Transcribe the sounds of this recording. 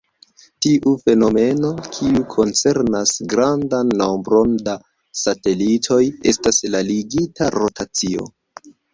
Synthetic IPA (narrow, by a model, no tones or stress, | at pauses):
tiʔufe̞no̞me̞no̞kʰiukʰo̞nt͡se̞ɾnasɡɾandanːowmbɾo̞nda | sate̞litʰo̞je̞̰staslaliɡitʰaɾo̞tʰat͡sio̞̰